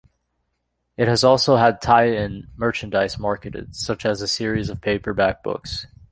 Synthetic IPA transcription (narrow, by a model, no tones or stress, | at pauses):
ɨt̚hɨzɔlˠsoʊəd̚tʰaɪɪ̃nmɜ˞t͡ʃɨ̃n̩daɪsmɑɹkɨɾɨ̰d̥sʌt͡ʃɨzɨsɪɹizʌv̥pʰeɪpə˞bæk̚b̥ʊ̰ks